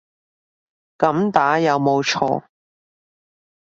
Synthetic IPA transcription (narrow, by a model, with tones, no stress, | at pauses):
kɐ˨˥mt̪aː˨˥jɐ˨˧wmo˨˧wt͡ʃʰɔ̰ː˧